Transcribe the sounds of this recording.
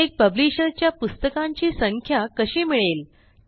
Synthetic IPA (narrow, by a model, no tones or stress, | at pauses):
ek̚pəbliɕəɾt͡ɕjapust̪əkãɲt͡ɕiːsəŋkʰjakəɕiːmiɭel